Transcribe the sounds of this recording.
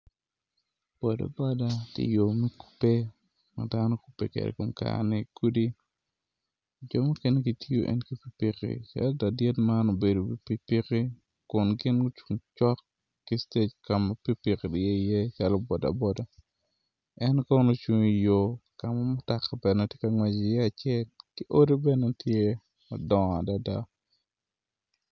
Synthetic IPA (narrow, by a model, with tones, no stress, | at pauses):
b̥ɔ˨da̰˨bɔ˦da˦kɪ̰˨jo˨mɛ˦ku̥˦pːe˦ | ma̰˨da˦no˦ku̥˨pːḛ˦kḛ˨dḛ˨ko˨mka̰˨nɛ˨ku˦di˦ | d͡ʒɔ˨mu˦ke˦ne˦ɡi˨ti˦o˦ʔɛ̰˦nki˦pi˦pi˨kḭ˨t͡ʃa̰˦lda˨dje˦tma˦no˨be˨do˨bi˨pi˦pi˦ki˦ | kʊ˨nɡɪ˦nɡo˦t͡ʃu˨ŋt͡ʃɔ˦kː | i˦ste˦t͡ʃka˨ma˨pi˦pi˨ki˨dje˦i˨je˦t͡ʃa˦lɔ˦bɔ˨da̰˨bɔ˦da˨ | ɛ˦nka˦o˦no˦t͡ʃu˦ŋi˦jo˦ka˨ma˦mɔ˦ta˨ka˨bɛ˨nɛ˨tje˦ka˨ŋwɛ˨d͡ʒi˨jɛ˦a˨t͡ʃjɛ˦lki˦ʔo˦ɾi˦bɛ˦nɛ˦tʰje˦ | mɔ̰˨dɔ˨ŋ˨a˨da˨da˦